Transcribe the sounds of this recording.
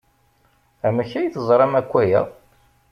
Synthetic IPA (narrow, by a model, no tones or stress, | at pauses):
æməçæjθəzˤɾˤɑmækʷːæjæ̰